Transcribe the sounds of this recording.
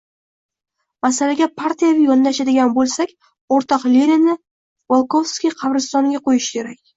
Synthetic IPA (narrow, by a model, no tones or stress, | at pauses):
masalaɡʲapʰaɾt̪ʰijavijɒnd̪aʃad̪ɪɡʲanbolˠsakʲ | oɾt̪ʰɒqlʲenɪnɪ | volˠkovskʲijqʰɑvɾɪst̪ɒŋɡʲaqʰojɪʃkʲʰe̞ɾakʲ